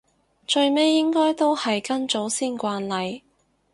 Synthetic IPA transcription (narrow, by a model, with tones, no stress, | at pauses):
t͡ʃɵ˧ɥme˥jːɪ˥ŋkɔː˥jt̪o˥whɐ˨jkɐ˥nt͡ʃo˨˥wsiː˥nkʷaː˧nlɐ˨j